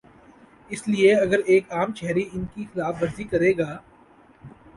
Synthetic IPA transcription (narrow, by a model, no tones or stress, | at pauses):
ɪslieɐɡəɾeːkaːmt͡ʃɛɦɾiɪnkixɪlaːfʋɐɾzikɐɾeːɡaː